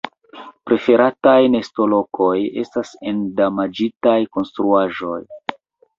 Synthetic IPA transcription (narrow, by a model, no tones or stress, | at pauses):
pɾe̞fe̞ɾatajne̞sto̞lo̞kʰo̞je̞̰stasendamad͡ʒitajko̞nstɾuaʒo̞j